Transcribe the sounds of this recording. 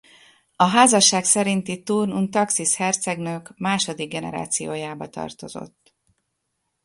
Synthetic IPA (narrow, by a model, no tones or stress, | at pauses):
ɒɦaːzɒʃːaːksɛɾint̪it̪uːrnunt̪ɒksishɛrt̪sɛɡnøːkmaːʃo̞d̪iɡ̚ɡɛnɛ̰ɾa̰ːt̪sijoːjaːbɒt̪ɒ̰rt̪o̞̰zo̞̰t̪ː